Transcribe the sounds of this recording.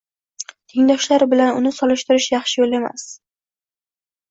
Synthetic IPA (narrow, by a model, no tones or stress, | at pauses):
t̪ʰɪŋd̪ɒʃlaɾbɪlanʊnɪsɒlɪʃt̪ɪɾɪʃjɑχʃɪjole̞ma̰s